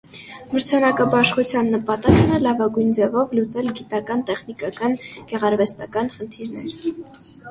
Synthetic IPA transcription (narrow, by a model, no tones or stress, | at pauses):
məɾt͡sʰɑnɑkɑbɑʃχut͡sʰjɑnːəpɑt̪ɑknɛlɑvɑɡujnd͡zɛvɔvlut͡sɛlɡit̪ɑkɑnt̪ɛχnikɑkɑnɡ̥ɛʁɑɾvɛst̪ɑkɑnχənt̪ʰiɾnɛɾ